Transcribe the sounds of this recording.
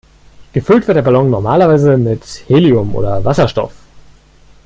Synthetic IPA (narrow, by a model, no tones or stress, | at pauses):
ɡ̥əfʏltv̥ɪɐtdeːɐbalɔŋnɔɐmaːlɐvaɪzəmɪtheːliʊmʔo̰ːdɐvasɐʃtɔ̰f